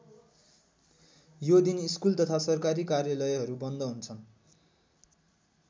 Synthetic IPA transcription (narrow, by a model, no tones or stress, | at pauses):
jod̪iniskult̪ʌt̪ʰasʌrkaɾikarjalʌjɦʌɾubʌnd̪ʌɦunt͡sʰʌn